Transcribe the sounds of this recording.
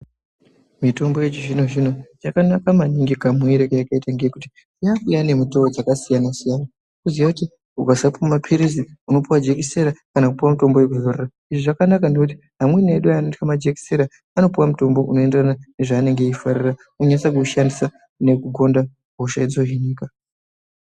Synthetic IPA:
mito̞mbojet͡ʃiʐino̞ʐino̞t͡ʃakanakamaɲiŋɡikamweɾekejakaitaŋɡekuti̥ | ijaujane̞mutood͡zakasijanasijana | kuziakuti | uɡasapummapʰiɾiziuno̞puwad͡ʒe̞kise̞ɾakanakupiwamuto̞mbo̞je̞k̬uzorera | iʐiʐakanakanekuti̥ | ɦamwe̞neɗuanotkamad͡ʒe̞ki̥se̞ɾa | ano̞piwamuto̞mbo̞ʔunoe̞nderanane̞ʐaːne̞ŋɡe̞ifarira | unoɲanisakuʃandisa | ne̞kuɡo̞nda | ouʃaid͡zoɦiɲiːka

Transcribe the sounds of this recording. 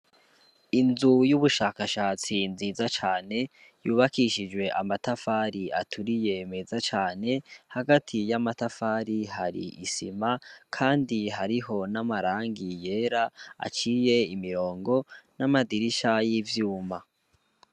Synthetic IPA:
inzujuβuʃaːkaʃaːt͡sinziːzat͡ʃaːne̞ | juːβakiʃid͡ʒwe̞ʔamatafaːɾiatʰuɾije̞mezat͡ʃaːne̞haɡatʰijamatafaːɾihaɾḭʔisimakʰaːndiɦaɾiɦo̞namaɾaːŋɡije̞ːɾaa̰t͡ʃiːje̞imiɾo̞ːŋɡo̞namadiɾiʃajivjuːma

